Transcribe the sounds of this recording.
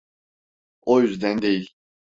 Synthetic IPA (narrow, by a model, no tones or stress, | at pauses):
ojyzd̪ænd̪ejilʲ